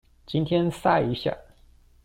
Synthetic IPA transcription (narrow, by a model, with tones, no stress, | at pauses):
t͡ɕi˥nt̪ʰjɛ˥nsa˥i˧˥ɕja̰˥˩